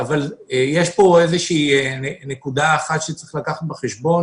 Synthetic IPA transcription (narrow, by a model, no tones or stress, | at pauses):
avalejeʃpo̞ezeʃiːenenekud̪aːχat̪ʃet͡sʁiχlakaχat̪̚beχeʃbo̞n